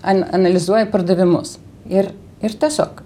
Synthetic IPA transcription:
ɐnɐnɐlʲɪzuɔjɪpɐrd̪ɐʋʲɪmʊ̰s | ɪr | ɪrt̪ʲiɛsʲoːk

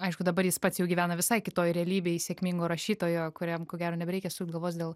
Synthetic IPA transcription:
ɐɪʃkʊd̪ɐbɐrjɪspɐt̪sjɛʊɡʲiːʋʲæːnɐʋʲɪsɐɪkʲɪt̪oːjɾʲɛɐlʲiːbʲeɪsʲeːkmʲiŋɡoːɾɐʃʲiːt̪oːjoːkʊɾʲɛmkoːɡʲæːɾoːnʲɛbʲɛɾʲɛɪkʲɛsuːt̪ɡɐlˠʋoːt͡s̪ʲd̪ʲeːlˠ

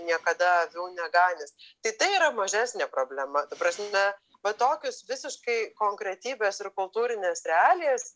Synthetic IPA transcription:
nʲiɛkɐd̪ɐɐʋʲuʊnʲɛɡɑːnʲɪst̪ɐɪt̪ɐɪiːɾɐmɐʒʲæːsʲnʲeːpɾoːbʲlʲɛmɐt̪ɐpɾɐsʲmmʲɛ | ʋɐt̪oːkʲʊsʋʲɪsʲɪʃkɐɪkoːŋkɾʲɛt̪ʲiːbʲeːsɪɾkʊlˠt̪uːɾʲɪnʲeːsɾʲɛɑːlʲɪjɛs

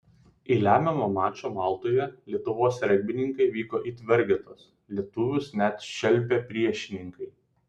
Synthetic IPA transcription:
ilʲæːmʲɛmoːmɑːt͡ʃʲoːmɑˑlˠt̪oːjɛlʲiɛt̪ʊʋoːsɾʲɛɡʲbʲɪnʲɪŋkɐɪʋʲiːkoːʔiːt̪ʲʋʲɛɾʲɡʲet̪oːs | lʲiɛt̪ʊʋʲʊsnʲɛt̪ʃʲɛlʲˑpʲeːpʲɾʲiɛʃʲɪnʲɪŋkɐɪ

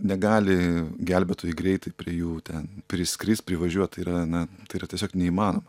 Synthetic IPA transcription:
nʲɛɡɑːlʲɪɡʲælʲbʲɛt̪oːjɪɡɾʲɛɪt̪ɐɪpʲɾʲiɛjuːt̪ʲɛnpʲɾʲɪsʲkɾʲɪst̪̚ʲpʲɾʲɪʋɐʒʲuɔt̪̚t̪ɐɪiːɾɐnɐt̪ɐɪiːrɐt̪ʲiɛsʲoːknʲɛiːmɑːnoːmɐ

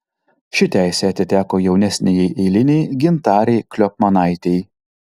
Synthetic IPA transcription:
ʃʲɪt̪ʲæɪsʲeːɐt̪ʲɪt̪ʲæːkoːjɛʊnʲɛsʲnʲejɛɪʔeːlʲɪnʲɛjɡʲɪnt̪ɑːɾʲɛɪklʲɔpmɐnɑˑɪt̪ʲɛj

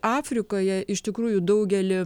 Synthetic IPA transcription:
ʔɑːfʲɾʲɪkoːjɛʔɪʃt̪ʲɪkɾuːjʊd̪ɐʊɡʲɛlʲɪ

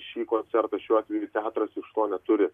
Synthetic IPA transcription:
ʃʲiːkoːnʲsʲɛɾt̪ɐʃʲuːɑːt̪ʋʲɛjʊt̪ʲæːt̪ɾɐsɪʃt̪oːnʲɛt̪ʊɾʲɪ

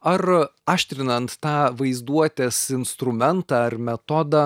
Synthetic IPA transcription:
ɐɾɑːʃʲt̪ʲɾʲɪnɐnt̪ːɑːʋɐɪzd̪uɔt̪ʲeːsɪnst̪ɾʊmʲɛnt̪ɑːɐɾmʲɛt̪ɔd̪ɑː

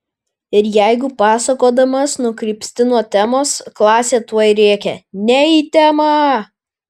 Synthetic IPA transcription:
ɪɾjɛɪɡʊpɑːsɐkoːd̪ɐmɐsnʊkɾʲiːpʲsʲt̪ʲɪnuɔt̪ʲæmoːsklˠɑːsʲeːt̪uɔjɾʲeːkʲɛnʲɛiːt̪ʲæːmɑ

